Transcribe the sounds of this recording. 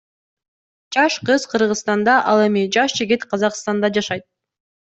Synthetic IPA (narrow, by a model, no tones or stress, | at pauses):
d͡ʒɑʃqɯzqʰɯɾʁɯzst̪ɑnd̪ɑʔɑlˠe̞mid͡ʒɑʃd͡ʒɪɡʲit̪qʰɑzɑqst̪ɑnd̪ɑd͡ʒɑʃɑjt̪̚